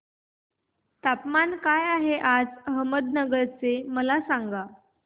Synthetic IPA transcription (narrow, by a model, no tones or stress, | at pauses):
t̪apmankajaɦeʔad͡zəɦəməd̪nəɡəɾt͡seməlasaŋɡa